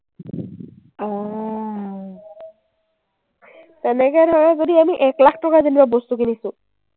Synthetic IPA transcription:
ɔ | tɛnɛkɛdʱɔɹazodiamiʔɛklakʰtɔkazinibabostukinisʊ̃

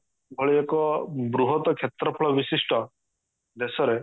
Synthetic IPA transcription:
bʱɔɭiekɔbɾuɦɔt̪ɔkʰjet̪ɾɔpʰɔɭɔbisisʈʰɔ | d̪esɔɾe

